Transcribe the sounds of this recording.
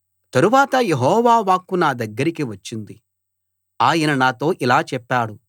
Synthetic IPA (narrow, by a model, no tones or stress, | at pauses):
t̪ɐɾuʋaːt̪ɐjeɦɔːʋaːʋaːkːunaːd̪ɐɡːɐɾikiʋɐt͡ʃːind̪i | aːjɐnɐnaːt̪o̞ːʔilaːt͡ʃɛpːaːɽu